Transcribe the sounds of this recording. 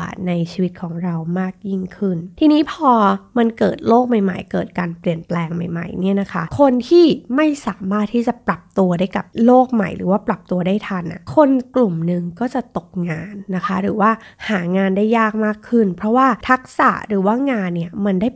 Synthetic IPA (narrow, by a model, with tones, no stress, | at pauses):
a̰ː˨˩t̪̚na˧jt͡ɕʰiː˧wi˦˥t̪̚kʰɔː˩˦ŋɾa˧wmaː˥˩k̚ji˥˩ŋkʰɯ˥˩nt̪ʰiː˧niː˦˥pʰɔː˧ma˧nkɤː˨˩t̪̚loː˥˩k̚ma˨˩jma̰˨˩jkɤː˨˩t̪̚kaː˧npli˨˩ənplɛː˧ŋma˨˩jma̰˨˩jni˥˩ɐna˦˥kʰa˦˥kʰo˧nt̪ʰiː˥˩ma˥˩jsaː˩˦maː˥˩t̪̚ʰiː˥˩t͡ɕa˨˩pɾa˨˩p̚t̪u˧ɐdaː˥˩jka˨˩p̚loː˥˩k̚ma̰˨˩jɾɯ̰ː˩˦waː˥˩pɾa˨˩p̚t̪u˧ɐdaː˥˩jt̪ʰa˧nʔa̰˨˩kʰo˧nklu˨˩mnɯ˨˩ŋkɔː˥˩t͡ɕa˨˩t̪o˨˩k̚ŋaː˧nːa˦˥kʰa˦˥ɾɯː˩˦waː˥˩haː˩˦ŋaː˧nda˥˩jːaː˥˩k̚maː˥˩kʰːɯ˥˩npʰɾɔ˦˥waː˥˩t̪ʰa˦˥k̚sa̰˨˩ʔɾɯː˩˦waː˥˩ŋaː˧nːi˥˩ɐma˧ndaː˥˩j